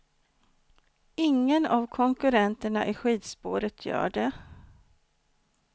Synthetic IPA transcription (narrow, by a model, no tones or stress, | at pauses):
ɪŋːənavkʰɔŋkɵɾɛnt̪əɳaʔɪɧiːd̪spoːɾət̪ʰjœ̰ːɖɛ